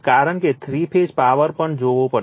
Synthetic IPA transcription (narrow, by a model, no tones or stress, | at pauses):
kaːɾəɳket̪ʰɾiːpʰeːd͡ʒpaːʋəɾpəɳd͡ʒoːʋõpə